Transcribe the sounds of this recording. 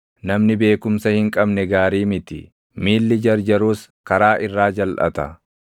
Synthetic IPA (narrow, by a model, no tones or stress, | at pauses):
nɐmnɪbe̞ːkʊmsɐhɪŋkʼɐbnɛɡaːɾiːmɪt̪ɪ̰ | miːlːɪd͡ʒɐɾd͡ʒɐɾuːskɐɾaːʔɪrːaːd͡ʒɐlʔɐ̰t̪ɐ̰